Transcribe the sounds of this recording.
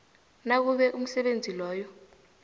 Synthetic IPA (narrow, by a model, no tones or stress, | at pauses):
nak̬uɓɛʔum̩sɛɓend͡zʱilɔːjɔ